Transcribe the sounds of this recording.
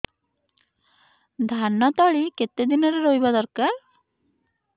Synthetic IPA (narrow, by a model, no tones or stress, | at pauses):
d̪ʱanːɔt̪ɔɭiket̪ed̪inɔɾeɾojbad̪ɔɾka